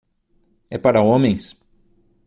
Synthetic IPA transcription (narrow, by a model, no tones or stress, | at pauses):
ɛ̰paɾɐõmẽj̃s